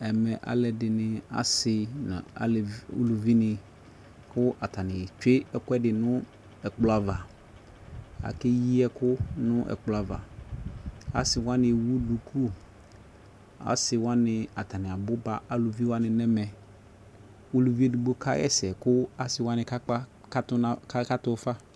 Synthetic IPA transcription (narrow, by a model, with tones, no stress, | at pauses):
ɛ˨mɛ̃˨ʔa̰˨lɛ˨dɪ˨nɪ̃˨a̰˨sɪ˨nã̰˨a̰˨lo̰˨lu˨vi˦nɪ̃˨ | kʰʊ˦ʔa˨tʰa˨nɪ̃˨t͡ʃᶣe˦ɛ˨kɛ˦dɪ˨nʊ̃˦ | ɛ˨k͡pla˦va˨ | a̰˨kɪ˦ji˦ɛ˦kʊ˦nʊ̃˦ʔɛ̰˨k͡pla˨va̰˨ | a̰˨sɪ˨wã˦nɪ̃˨wu˦du˨kʰu˦ | a̰˨sɪ˨wã˦nɪ̃˨a˨tʰa˨nɪ̃˨a˨bʊ˦ba˨a˨lu˨vi˦wa˦nɪ̃˨nɛ̃˦mɛ̃˨ | o˦lu˨vi˦e˦du˨ɡ͡bo˦kʰa̰˦ɛ̰˦sɛ˨kʊ˦a˨sɪ˨wa˦nɪ̃˨ka˦k͡pa˦ | ka˦tʊ˦na˦ka˦tʊ˦fa˦